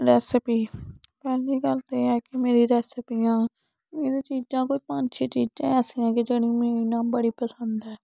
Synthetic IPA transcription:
ɾɛːsɪpiː | pɛːliːɡəlt̪eːɛːkɪmeːɾiːɾɛːsɪpiːãː | meːɾiːt͡ʃiːd͡ʒãːkoːiːpənt͡ʃʰẽːt͡ʃiːd͡ʒãːɛːsiːãːkɪd͡ʒeːɽĩːmẽːinãːbəɽiːpəsənd̪ɛː

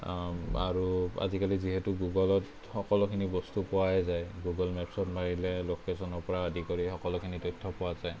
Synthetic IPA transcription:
a̰ɹua̰zikaliziɦɛtuɡuɡɔlɔt | xɔkɔlɔkʰinibɔstupɔwaɛzajɡuɡɔlmɛpsɔtmaɹilɛlokesɔnɔɹpɔɹaadikɔɹixɔkɔlɔkʰinitɔjtʰːɔpɔwazaj

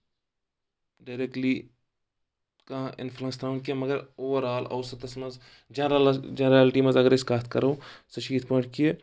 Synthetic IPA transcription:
ɖaːɪɾek̚ʈli | kaʔɪ̰nfʰlənst̪ʰaːnkiemɐɡəɾoːʋəɾaːlɐ̰ʊsɐt̪ɐsmɐz | d͡ʒɐɾd͡ʒnɾaːlʈimɐzɐɡəɾeskaːt̪ʰkɐɾoːsɐʃiːt̪̚ʰpɔ̃ːɪʈkije

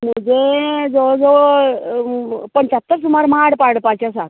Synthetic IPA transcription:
məd͡zed͡zod͡zo | pəɳt͡ɕat̪ːəɾsumaɾmaɽpaɽpat͡ɕasat̪

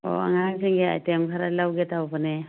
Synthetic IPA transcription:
ɔ̰a̰ŋaŋseŋɡea̰jtemkʰaɾalawɡetawpɯne

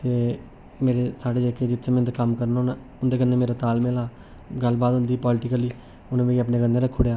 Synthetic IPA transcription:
t̪eː | meːɾeːsaːɽeːd͡ʒekeːd͡ʒɪt̪ʰːeːmɛ̃t̪ekəmkəɾnːna | ʊnd̪eːk̬ənːeːmeːɾoːt̪aːlmelaː | ɡəlbaːd̪ʊnd̪iːpɔːlɪʈɪkəliː | ʊnːmẽːiəpneːkənːeːɾəkʰːoːɽejaː

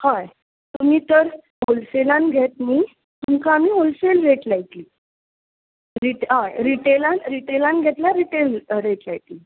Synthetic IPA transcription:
hãj | t̪um̤iːt̪əɾ | ɦolselãnɡʱet̪niː | t̪umkaːmiːɦolselɾeʈlajʈ̪liː | ɾiʈɦajɾiʈelanɾiʈelãnɡʱet̪laɾiʈelɾeʈlajʈ̪liː

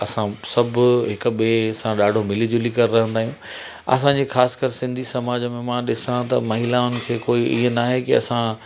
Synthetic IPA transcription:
ɐsãsɐbʱʊɦɪkʊ̆ɓeɐsãɗaːɖʱomɪlid͡ʑolikɐɾɾɐɦə̃nd̪aːɦiũ | ɐ̰sãːɲd͡ʑexaːsɪ̥kəɾsɪ̃nd̪ʱisɐmaːd͡ʑəmẽmãɗɪsãt̪ɐmɐɦɪlãʊn̆kʰeːkoːiʔḭɦənaːɦekɪɐ̰sã

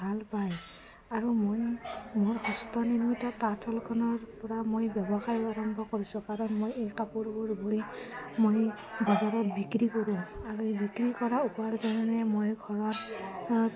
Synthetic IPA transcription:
bʱalpaj | aɹumojmoɹhɔstɔninumitakatʰɔlkʰɔnɔɹpɔɹamojbjɔbɔxajaɹɔmbʱɔkoɹisũkaɹɔnmojejkapuɹbɔɹboimoj | bɔzaɹɔtbikɹikoɹimaɹuebikɹikɔɹaupaɹzananɛmojɡʱɔɹɔt

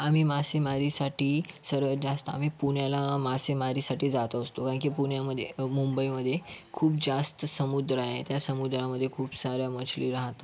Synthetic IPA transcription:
am̤iːmasemaɾisaʈʰiːsəɾʋəd͡zast̪əa̰m̤iːpuɳjalamasemaɾiːsaʈiːd͡zat̪əəst̪okãk̬iːpuɳjaməd̪ʱːjemumbəiməd̪ʱːjekʰuːp̚d͡zast̪əsəmud̪ɾajet̪jasəmud̪ɾaməd̪ʱːjekʰuːpsaɾjamət͡ɕʰliːɾaɦt̪a

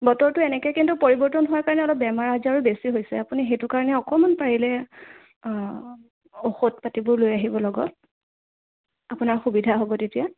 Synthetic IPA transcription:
bɔtɔɹtʊɛnɛkɛjkintupoɹibɔɹtɔnɦʊwaɹkaɹɔnɛɔlɔp̚bɛmaɹazaɹubesiɦojsɛapunixejtʊkaɹɔnɛɔkɔmanpaɹilɛ | oxot̚patibʊɹlojaɦibɔlɔɡɔ̰t | apʊnaɹxubidʱaɦobɔtetija

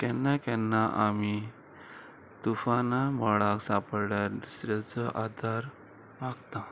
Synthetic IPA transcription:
kɛnːakɛnːaʔami | t̪ufanamɔɭaksapəɽɭjaɾd̪usɾjat͡səʔad̪ʱaɾ | ʋaɡt̪a

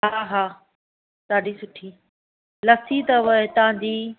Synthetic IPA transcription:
ɦaːɦaː | t̪aːɖisʊʈʰiː | lɐt̪ʰit̪ɐʋɐet̪ɐãd͡ʑiː

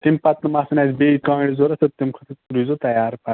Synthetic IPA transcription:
t̪impɐt̪nɐmasɐnazbeːikãːɽizoɾɐsɐt̪imkʰɐt̪ʰɐɾizot̪ɐjaːɾpɐ

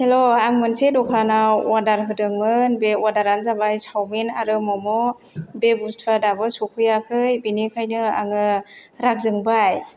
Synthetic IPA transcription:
heloaŋmɯnsedɔkʰanawwadaɾɦɯdɯŋmɯnbewadaɾanzabajsawminaɾɯmɔmɔ | bebustʰadabɯsukʰɯjakʰɯjbinikʰajnɯa̰ŋɯɾak̚zɯŋbaj

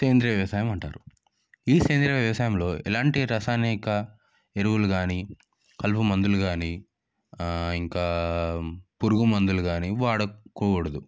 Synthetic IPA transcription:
keːnd̪ɾiɐʋjɐʋɐsaːjɐmɐɳʈa̰ːɾu | iːse̞ːnd̪ɾjɐʋjɐʋɐsaːjɐmlo̞ːḭlaːɳʈiɾɐsaːnikɐ | eɾuʋuluɡaːni | kɐlpumɐnd̪uluɡaːniː | iŋkaː | puɾuɡumɐnd̪uluɡaːniʋaːɽɐkoːuɽɐd̪u

